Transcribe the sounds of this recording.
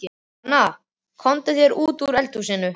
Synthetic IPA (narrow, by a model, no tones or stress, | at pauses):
na | kʰɔnt̪ɪθjɛɾuːt̪uɾɛlt̪usɪːnːʏ